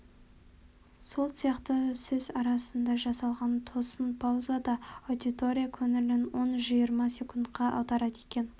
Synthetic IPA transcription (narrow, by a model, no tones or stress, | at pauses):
so̞lˠsijɑqt̪əsɵzɑɾɑsənd̪ɑʒɑsɑlˠʁɑnt̪ʰo̞sənpʰawzad̪ɑod̪it̪o̞ɾʲijakʲʰɵŋɪlɪnwo̞nʒijəɾmɑsekʰunt̪qɑʔɑ̰wd̪ɑɾɑd̪e̞kʲe̞n